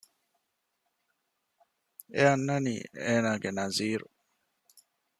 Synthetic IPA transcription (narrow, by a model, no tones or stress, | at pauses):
eanːanḭɛːnaɡɛnaziːɾu